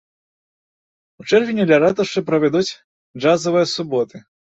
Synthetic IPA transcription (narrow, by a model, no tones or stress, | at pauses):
ut͡ʂɛrvʲinʲɛd̪lʲaɾat̪ɐʂt͡ʂɨpɾɐvʲɛd̪ut͡sʲ | ʐazɐvɨjɐsubɔt̪ɨ